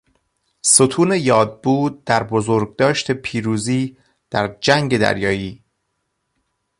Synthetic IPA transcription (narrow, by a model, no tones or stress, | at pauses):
sot̪ʰuːne̞jɒːd̪̚buːd̪̚d̪æɾbozoɾɡ̚d̪ɒːʃt̪ʰe̞pʰiːɾuːziː | d̪̥æɾd͡ʒæŋɡe̞d̪æ̰ɾjɒːjiː